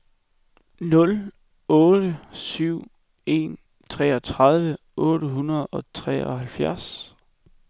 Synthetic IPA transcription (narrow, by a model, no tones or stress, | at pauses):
nɔ̽l | ɔːd̥əsyʊ̰ | e̝̰ːn | t͡sʰʁɛ̰ːɒ̽t͡sʰʁɑð̞ˠʋə | ɔ̽ːɾəɦunɐðˠɒ̽t͡sʰʁɛ̰ːɒ̽hælfjæɐ̰s